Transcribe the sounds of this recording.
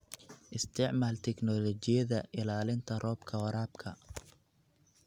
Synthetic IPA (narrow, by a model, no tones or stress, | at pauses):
ʔɪst̪ʰɪʕmaːlt̪ʰɛknɔlɔt͡ʃɪjɐðɐʔɪlaːlɪnt̪ʰɐrʔɔːbkʰɐwɐɾaːbkʰɐ